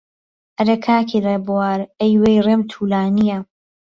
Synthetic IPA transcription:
ʔɐɾekʰaːkʰilebwaːɾejwejreːmt̪ʰuːlaːnija

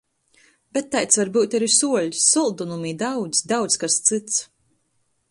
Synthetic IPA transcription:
bɛt̪ːajt̪svaɾbuːt̪ʲaɾisuɔlʲisːulˠd̪unumiːd̪awd̪zʲd̪awd̪sʲkast̪sɨt̪s

